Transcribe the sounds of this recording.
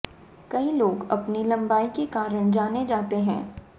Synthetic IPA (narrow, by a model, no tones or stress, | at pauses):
kɐiloːɡɐpnilɐ̃mbaːikekaːɾəɽ̃d͡ʒaːned͡ʒaːt̪eɦɛ̰̃ː